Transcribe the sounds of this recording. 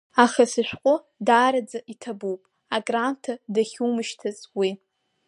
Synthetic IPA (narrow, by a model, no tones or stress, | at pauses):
aχasɨʃᶣʷqʷʼʊ | daːɾad͡zaʔitʰabuwpʼ | aɡʼrantʰadaχʲumɨʃtʰɨzʼwi